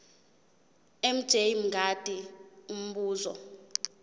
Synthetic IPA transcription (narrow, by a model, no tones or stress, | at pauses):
em̩d̥ʒ̥ʱejm̩ɡʱad̥ʱium̩ɓuːzɔ̰